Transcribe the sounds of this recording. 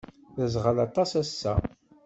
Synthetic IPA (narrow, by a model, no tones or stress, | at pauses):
θəzʁəlɑt̪ˤɑsæsːæ̰